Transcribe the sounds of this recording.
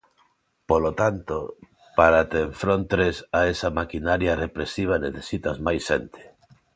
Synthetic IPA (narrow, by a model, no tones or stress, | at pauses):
polot̪ant̪o | paɾat̪eːɱfɾont̪ɾesaesamakinaɾjarepɾesiβ̞aneθesit̪azmajsent̪e̥